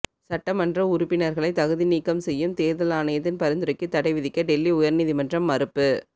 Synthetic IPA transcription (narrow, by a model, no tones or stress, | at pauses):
sɐʈːɐmɐndrɐʊɾʊpːɪnɐɾɣɐɭɐɪt̪ɐɣɯðiniːkːɐmsɛjːɯmt̪eːɾðɐlaːnɐjɐt̪̬ːɪnpɐɾɪnd̪ɯɾɐkːɯt̪ːɐɽɐɪʋɪðɪkːɐɖɛlːiʊjɐɾniðimɐndrɐmːɐɾɯpːɯ